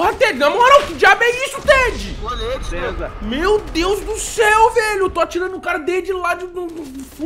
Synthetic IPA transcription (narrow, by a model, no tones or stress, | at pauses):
oɦɐt̪ed͡ʒɪnɐ̃mɔɾɐ̃wkɪd͡ʒiabẽjisʊt̪ed͡ʒɪoed͡ʒezɐmewd̪ewzd̪ʊsɛwvɛʎʊewt̪oat͡ʃiɾɐ̃nd̪ʊʊkaɾɐd̪ed͡ʒɪlad͡ʒɪd̪ʊd̪ʊʊf